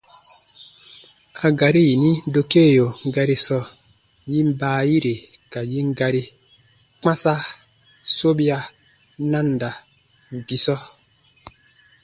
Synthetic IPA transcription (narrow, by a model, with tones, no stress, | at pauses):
a˨ɡa˨ɾi˦ji˨ni˦n˦do˨ke˦˨jo˨ŋ̩˦ɡa˨ɾi˦sɔ˦˨ | ji˦m̩˦baː˨˦˨ji˦ɾe˨ka˨ji˦ŋ̩˦ɡa˨ɾi˦ | k͡pa˦sa˦ | so˦bi˦a˦ | na˦n˨da˨ | ɡi˨sɔ˦